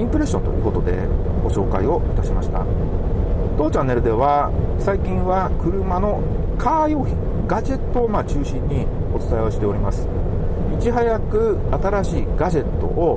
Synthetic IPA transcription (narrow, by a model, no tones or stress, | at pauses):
ĩmpɯ̟ɾe̞ɕːõ̞nt̪o̞jɯ̟̰ːko̞t̪o̞d̪e̞̰ | ɡo̞ɕo̞ːka̰io̞it̪aɕimaɕi̥t̪a̰ | t̪o̞ːt͡ɕãnːe̞ɾɯ̟d̪e̞βasaikʲĩɰ̃βakɯ̟ɾɯ̟mano̞ | kʰaːjo̞ːçĩ | ɡaʑe̞t̪ːo̞ːmat͡ɕɨːɕĩɲ̟ːi | o̞t͡sɨ̥t̪ajo̞ɕi̥t̪e̞oɾʲimasɨ̥ | mʲit͡ɕiɦajakɯ̟at̪aɾaɕiːɡaʑe̞t̪ːo̞̰ʔo